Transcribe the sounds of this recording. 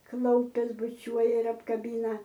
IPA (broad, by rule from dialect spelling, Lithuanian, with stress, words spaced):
ˈklˠɐʊpʲɛs bʊˈt͡ʃʲuɔjɛ ɪr ɐpkɐˈbʲɪnɐ